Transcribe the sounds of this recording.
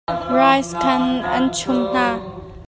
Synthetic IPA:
rajskʰɐnʔɐnt͡ʃʰʊmn̥aː

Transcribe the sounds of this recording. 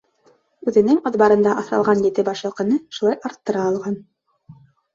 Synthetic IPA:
ʉðɘ̆nɘŋɑ̆ðbɑɾɤ̆nd̪ɑʔɑθɾɑ̰lˠʁɑnjɘ̆t̪ɘbɑʃjɤ̆lˠqɤ̆nɤʃulˠɑjɑɾt̪ːɤ̆ɾɑːlˠʁɑn

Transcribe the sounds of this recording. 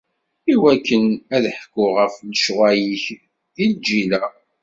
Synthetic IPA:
iwækːənæðħkːʊʁəfləʃʁæjiç | ðild͡ʒilæ

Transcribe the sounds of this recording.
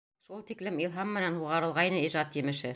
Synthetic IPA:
ʃulˠt̪iklɘmilˠɦɑmːɘ̆nænhuʁɑɾɤ̆lˠʁɑjnɤiʒɑt̪jɘ̆mɘ̆ʃɘ

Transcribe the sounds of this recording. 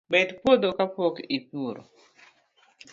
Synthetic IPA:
bɛt̪pod̪okapɔkipuɾo̰

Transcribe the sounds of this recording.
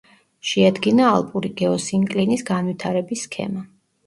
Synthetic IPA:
ʃɛad̪ɡina̰ːlˠpʼuɾiɡ̥ɛɔsiŋkʼlinisɡanvwit̪ʰaɾɛbiskʰɛ̰ma

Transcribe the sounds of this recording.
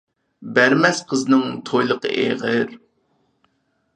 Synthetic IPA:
bæɾmɛsqʰəznɨŋt̪ʰojlˠəqə̰ʔḛʁəɾ

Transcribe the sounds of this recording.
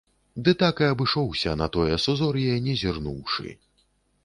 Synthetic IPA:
d̪ɨt̪akɨɐbɨʂɔwsʲɐnɐt̪ɔjɛsuzɔɾjɛnʲɛzʲirnṵwʂɨ̰

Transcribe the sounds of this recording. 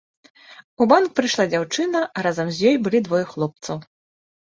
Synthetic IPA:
ubankpɾɨʂlˠad͡zʲawt͡ʂɨnɐɾazɐmzʲjɔjbɨlʲid̪vɔjɛxlˠɔp̚t̪sɐw

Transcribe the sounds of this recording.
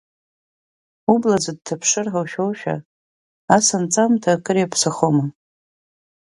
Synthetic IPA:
ublad͡zad̚tʰapʰʂɨrħawʃᶣowʃᶣa̰ | asant͡sʼamtʰakʼɨɾiapʰsaχoma

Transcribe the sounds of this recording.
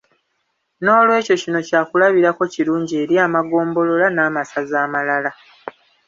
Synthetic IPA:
no̞ːlwe̞ːco̞cino̞caːkulaβiɾako̞ciɾuːɲɟie̞ːɾiaːmaɡo̞ːmbo̞lo̞lanaːmasazaːmalala

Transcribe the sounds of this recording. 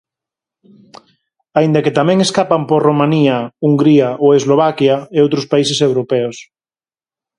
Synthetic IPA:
aĩnd̪ɐket̪amɛ̃ŋeskapamporomãniɐuŋɡɾiɐʔoezloβ̞akjaeowt̪ɾospaisesewɾopɛos

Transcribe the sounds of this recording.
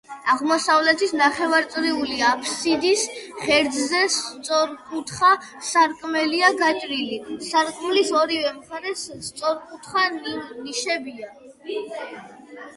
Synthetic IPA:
aʁmɔsavlɛt̪ʰisnaχɛvaɾt̪sʼɾiuliapʰsid̪isχɛɾd̪zzɛst̪sʼɔɾkʼut̪ʰχa | saɾkʼmɛliaɡat͡ʃʼɾilisaɾkʼmlisɔɾivɛmχaɾɛst̪sʼɔɾkʼut̪ʰχaniʃɛbia

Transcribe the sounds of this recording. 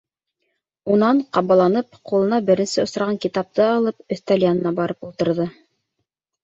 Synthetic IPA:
unɑɴqɑβɑlˠɑnɤp̚qulˠɤ̆nɑbɘ̆ɾɘ̆nsɘŏsɾɑʁɑŋkit̪ɑp̚t̪ɤɑlˠɤp̚ɵ̆θt̪ælʲjanɤ̆nɑbɑɾɤpulˠt̪ɤ̆ɾðɤ

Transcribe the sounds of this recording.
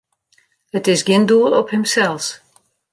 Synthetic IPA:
ətɪsɡɪnduəlˠɔphəmsɛlˠs

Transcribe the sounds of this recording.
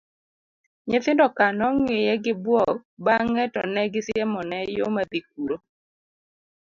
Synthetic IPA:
ɲet̪ɪndɔkanɔŋejɛɡɪbwɔk̚baŋɛtɔnɛɡɪsjɛmɔnɛjo̰mad̪ik̚uɾo

